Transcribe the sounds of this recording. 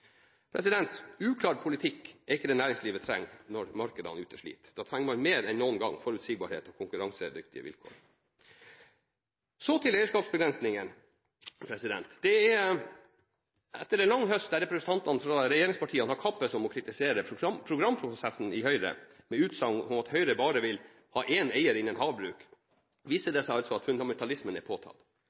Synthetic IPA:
pʰɾʔɛsɪd̪ɛnt̪ʉːkʰlɑːɾpʰʊlɪt̪ʰɪkːɛɾɪkːəd̪ɛnæːɾɪŋsliːʋət̪ʰɾɛ̰ŋːnɔɾmɑɾkəd̪ɑ̰nʉːt̪əʂɭḭːt̪d̪̥ɑːt̪ʰɾæŋːmɑnmeːɾɛnnuːənɡɑ̰ŋːfɔɾʉt̪sɪɡ̚bɑ̰ːɾhḛːt̪ɔkʰʊŋkʉɾɑŋsəd̪ʏkt̪ɪ̰ə̰ʋɪ̰lkʰo̰ːɾ | sɔt̪ʰɪlɛɪəʂkɑːpsbəɡɾɛnsnɪŋən | pʰɾɛsɪd̪ɛ̰nt̪d̪̥ɛɛ | ɛt̪ːəɾɛnlɑŋːɦœst̪̚d̪æɾɛpɾɛsənt̪ʰɑnt̪ɑnfɾɑɾɛjeːɾɪŋspɑʈʰiːəɑnhɑɾkʰɑpːəsɔmɔkʰɾɪt̪ɪseːɾəpʰɾʊɡɾɑmpʰɾʊsɛsn̩ɪhœʏɾə̰ | mɛʉːt̪sɑŋɔmɑt̪hœʏɾəbɑːɾəʋɪl | hɑːʔeːneɪəɾɪnːənhɑːʋbɾʉːk | ʋiːsəɖɛsæɪɑlsɔɑt̪fʉnd̪ɑmɛnt̪ʰɑlɪsmənɛɾpʰoːt̪ʰɑ̰ːt̪

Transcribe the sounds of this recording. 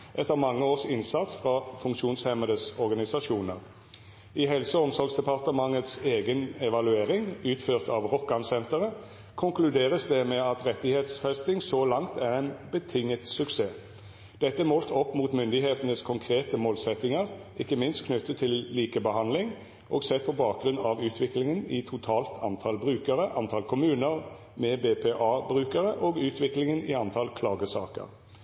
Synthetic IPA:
ʔɛt̪ːəʁmɑŋːəoːsɪnsɑt̪sfʁɑfʉŋkʃuːnshɛməd̪əsɔʁɡɑnɪsɑʃuːnəʁ | ɪɦɛlsəɔmsɔɾɡsd̪ɛpɑʁt̪əmɑŋət̪seːɡənɛʋɑlʉeːʁɪŋʉːt̪føːʁt̪ɑʋʁɔkːɑnsɛnt̪əʁə | kʰʊŋklʉd̪eːʁəsd̪ɛmɛɑt̪ʁɛt̪ːɪheːt̪sfɛst̪ɪŋsɔlɑŋt̪ʰæʁæɪnbət̪ʰɪŋːət̪sʉkseː | d̪̥ɛt̪ːəmɔːlt̪ʰɔpːmuːt̪mʏnd̪ɪheːt̪ənəskʰʊŋkʰʁeːt̪əmoːlsɛt̪ːɪŋəʁ | ʔɪkːəmɪnst̪kʰnʏt̪ːət̪ʰːɪlliːkəbəhɑnlɪŋ | ʔɔːɡsɛt̪̚pʰɔbɑːk̚ɡʁʉnɑʋʉːt̪ʰʋɪklɪŋənɪt̪ʰʊt̪ʰɑːlt̪ʰɑnt̪ʰɑlbʁʉːkəɾəʔɑnt̪ʰɑːlkʰʊmʉːnəʁ | mɛbeːpʰeːʔɑːbʁʉːkəʁəʔɔːɡʉːt̪ʰʋɪklɪŋənɪɑnt̪ʰɑlkʰlɑːɡəsɑ̰ːkə̰ʁ

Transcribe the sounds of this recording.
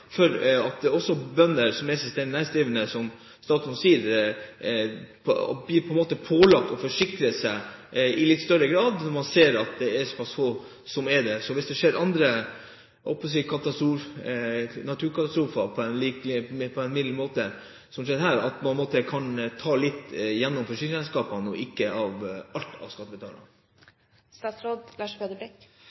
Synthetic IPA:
fɔɾɑt̪̚d̪ɛɔsːɔbœnːəɾsɔmɛsəst̪ɛnnæːɾst̪ɾiːʋənəsɔm | st̪ɑːt̪ʉnsiːɾ | pʰbliːpʰɔɛnmoːt̪əpʰoːlɑkt̪ɔfɔʂɪkkɾəsæɪɪlɪt̪ːst̪œɾəɡɾɑːd̪nɔɾmɑnseːɾɑt̪̚d̪ɛæsɔ̥pʰɑsfoː | sɔmɛd̪ɛsɔʋɪsd̪ɛʂeːɾʔɑnd̪ɾə | ɔ̰pːɔsiːkʰɑt̪ɑst̪ɾuːf | nɑt̪ʰʉːɾkʰɑt̪ɑst̪ɾuːfɑpʰɔɛnliːkpʰɔɛnmɪd̪ləɾmoːt̪ə | sɔmʂeːd̪ɦæːɾɑ̰t̪mɑnmoːt̪əkʰɑnt̪ʰɑːlɪt̪ːjɛnːɔmfɔʂɪkɾəɛnskɑːpɑnɔ̰ʔɪkːəʔɑʋɑlt̪ʰɑ̰ʋskɑt̪ːəbət̪ɑːnɑ̰ | st̪ɑːt̪sɾoːd̪lɑːʂføːd̪əbɛk

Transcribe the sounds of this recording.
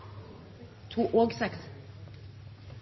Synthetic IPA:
t̪ʰuːʔoːɡsɛks

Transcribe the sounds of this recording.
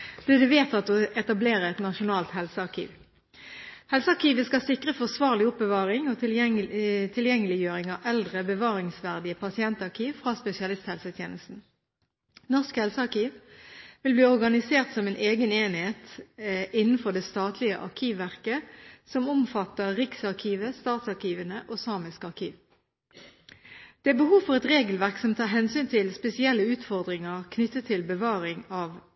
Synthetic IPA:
d̪̥ɛd̪ɛʋeːt̪ɑt̪ɔʔɛt̪ɑbleːʁəɛt̪nɑʃʊnɑːlt̪hɛlsəɑʁkʰḭːʋ | hɛlsəɑʁkiːʋəskɑsɪkʁəfɔsʋɑːʁlɪʊp̚bəʋɑːʁɪŋol | t̪ʰɪljɛŋːəlɪjøːʁɪŋɑʔɛld̪ʁəbəʋɑːʁɪŋsʋæʁd̪ɪəpʰɑsɪɛnt̪ɑʁkʰiːʋfʁɑspɛsɪɑlɪst̪hɛlsət̪ʰjeːnəst̪n̩ | nɔʁskhɛlsəɑʁkiːʋʋɪlbliːɔʁɡɑnɪseːʁt̪sɔmɛnʔeːɡəneːnɪheːt̪ | ɪnn̩fɔʁd̪ɛst̪ɑːt̪ʰlɪə̰ʔɑ̰ʁkʰiːʋːæʁkəsɔmɔmfɑt̪ːəʁʁɪksɑʁkʰiːʋəst̪ɑːt̪sɑʁkiːʋənəʔoːsɑːmɪskɑʁkʰiːʋ | d̪̥ɛæːbəhuːʋfɔʁɛt̪ʁeːɡəlʋæʁksɔmt̪ʰɑːʁɦɛnsyːnt̪ʰɪlspɛsɪɛlːəʉːt̪fɔʁd̪ʁɪŋəʁkʰnʏt̪ːət̪ʰːɪlbəʋɑːʁɪŋɑːʋ

